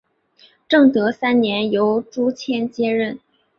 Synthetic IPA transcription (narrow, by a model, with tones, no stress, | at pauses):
ʈ͡ʂɤ˥˩ŋt̪ɤ˧˥sa˥nnjɛ˧˥njo˧˥ʊʈ͡ʂu˥t͡ɕʰjɛ˥nt͡ɕjɛ˥ɻə˥˩n